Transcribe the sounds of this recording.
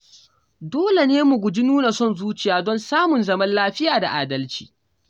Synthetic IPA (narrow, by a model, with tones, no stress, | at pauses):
doː˦le˨neː˦mu˨ɡʷʊ˨d͡ʒi˦nuː˦na˨sɔ˦nzuː˦t͡ʃɪ˨jaː˨dɔ˦nsaː˦mʊ˨nzɐ˦mɐ˦nlaː˦ɸɪ˦jaː˨da̰˨ʔaː˨dɐ˦lt͡ʃi̥̰ː˨